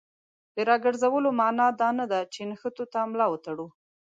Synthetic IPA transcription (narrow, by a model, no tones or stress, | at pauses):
d̪əɾɑɡəɾzawəlomɑnɑd̪ɑnad̪at͡ʃenxət̪ot̪amlɑwət̪aɽu